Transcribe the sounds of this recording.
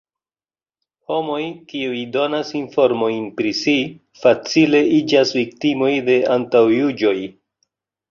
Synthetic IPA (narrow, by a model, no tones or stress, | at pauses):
ho̞mo̞jkiujdo̞nasinfo̞ɾmo̞jnpɾisi | fat͡sile̞id͡ʒasvik̚timo̞jde̞antawjud͡ʒo̞j